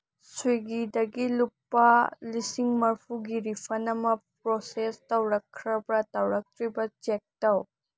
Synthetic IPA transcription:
sujɡidɐɡilupːɐlisiŋmɐɾpʰuɡiɾipʰɐnɐmɐp̚ɾosestɐwɾɐkʰːɾɐbɾɐtɐwɾɐk̚tʰɾibɐt͡ʃek̚tɐw

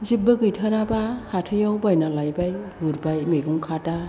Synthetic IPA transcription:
zip̚bɯɡɯjtʰaɾabahatʰɯjawbajnalajbajɡuɾbajmeɡuŋkʰata

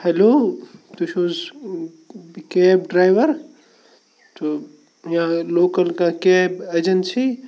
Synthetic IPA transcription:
hɛloːt̪uʃoːz | keːbɖɾaːjʋɐɾ | t̪o | jãloːkɐlkakeːbed͡ʒɐnsi

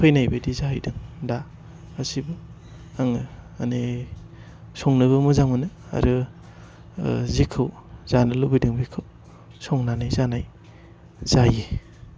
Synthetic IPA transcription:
pʰɯjnajbadizaɦajdɯŋda | hasibɯ | aŋɯa̰ne | sɔŋnɯbɯmuzaŋmɯnɯa̰ɾɯ | zikʰːɯwzanɯlubijdɯŋbikʰɯw | sɔŋnanajzanaj | z̥aji

